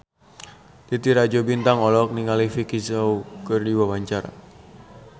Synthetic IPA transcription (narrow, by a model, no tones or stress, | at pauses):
t̪it̪iɾad͡ʒobint̪aŋɔlɔk̚niŋalifikisawkɨrdiwawaɲt͡ʃaɾa̰